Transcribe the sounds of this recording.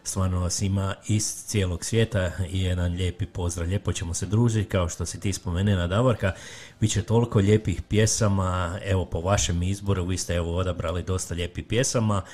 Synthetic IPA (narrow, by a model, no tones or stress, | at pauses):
st̪ʋaːɾnoʋasimaist̪sijeːlˠo̞ɡsʋje̞ːt̪aije̞d̪anʎeːpipo̞zɾaʎʲepo̞t͡ɕe̞mo̞sed̪ɾuːʒit̪kao̞ʃt̪o̞sit̪iːspo̞menenad̪aʋoɾka | b̥it̪t͡ɕe̞t̪o̞liko̞ʎe̞ːpixpje̞samae̞ʋo̞po̞ʋaʃe̞mizbo̞ɾuʋist̪eeʋo̞o̞d̪abɾalid̪o̞st̪aʎe̞ːpipjesama